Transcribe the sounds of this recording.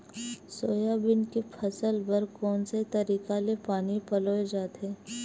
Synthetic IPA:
soːjabɪnkepʰɐsəlbɐɾkɔːnset̪ɐɾiːkalepaːnipɐloːed͡ʒaːt̪eː

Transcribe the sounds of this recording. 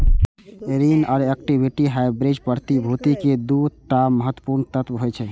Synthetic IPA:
eɾinɔːɾek̚ʈibʱiʈiɦaebɾid͡ʒpəɾt̪ibʱut̪iked̪ut̪aməɦət̪ːəpuɾnət̪ət̪ʋɦojt͡ʃʰɛ

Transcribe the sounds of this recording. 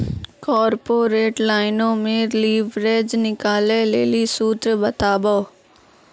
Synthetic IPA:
kɔːɾpoːɾeːʈlaːɪnõːmẽɾliːʋɾeːd͡ʒnɪkaːlelḛːlisuːt̪ɾəbɐt̪aːboː

